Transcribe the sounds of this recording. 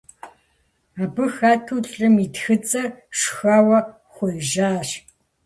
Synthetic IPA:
aːbɨxaːtʰuːɬʼɨmitxɨt͡sʼɐrʂxaːwɐ | χʷʊjʒaːɕ

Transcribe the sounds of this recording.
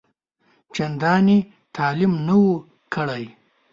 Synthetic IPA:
t͡ʃɐnd̪ɑːni | t̪ʰɑːlimnɐwu | kʰəɽaj

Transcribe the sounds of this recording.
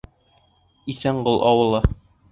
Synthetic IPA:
iθæɴɢolˠʔɑwɤ̆lˠɑ

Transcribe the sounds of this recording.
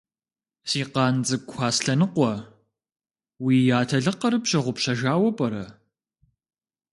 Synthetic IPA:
siːqɑːnd͡zɨkʷʰaːsɬɐnɨqʷɔ | wiːjaːtʰɐɮɨqɐɾɨpɕɐʁʷʊpɕɐʒaːwɐpʼɐɾɐ

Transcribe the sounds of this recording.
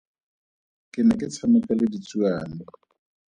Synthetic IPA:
kʼɪnɛkʼɪt͡sʰanʊkʼalɪdit͡sʼuaːnɔ

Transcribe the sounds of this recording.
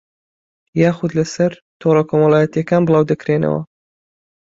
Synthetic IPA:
jaːxʊd̪lɐsɐɾ | t̪ʰoɾɑkʰomɐlˠaːjɛt̪ijɐkaːnbɨlˠɑːwd̪ɐkɾenɐ̰wɐ̰

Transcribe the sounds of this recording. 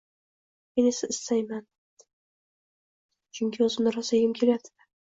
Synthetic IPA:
enesaɪsajman | t͡ʃʰʊŋʲkʲʰɪɵzɪmnɪɾaseɡʲɪmkʲʰeljad̪ɪ̥a

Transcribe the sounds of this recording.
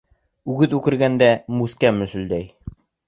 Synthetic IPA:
ʉɡɘðʉkɘ̆ɾɡænd̪æmʉskæmɵ̆sɵ̆ld̪æj

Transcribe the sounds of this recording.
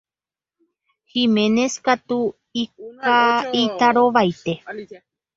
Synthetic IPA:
hĩmẽneskat̪u | ikait̪aɾoʋajt̪e̞

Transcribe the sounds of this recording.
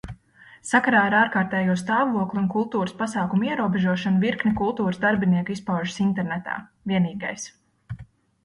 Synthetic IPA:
sakaɾaːiɾaːɾkaːɾt̪ɛːjuɔst̪aːvuɔklˠʲiunkulˠt̪uːɾəspasɑːkumiɛɾuɔbɛʒuɔʃanviɾknʲikulˠt̪uːɾəsd̪aɾbiniɛkispawʒəsint̪ɛɾnɛt̪a̰ː | viɛniːɡajs

